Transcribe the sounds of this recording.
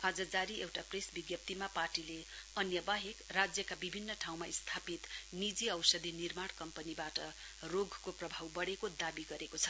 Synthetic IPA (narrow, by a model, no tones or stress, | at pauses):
ad͡zʌd͡zaɾiewʈapresbiɡjʌp̚t̪imaparʈileʌnjʌbaɦekrad͡zjʌkabibʱinːʌʈʰaw̃maist̪ʰapit̪nid͡ziʌwsʌd̪ʱinirmaɽkʌmpʌnibaʈʌ | roɡʱkoprʌbʱawbʌɽekod̪abiɡʌɾekot͡sʰʌ̥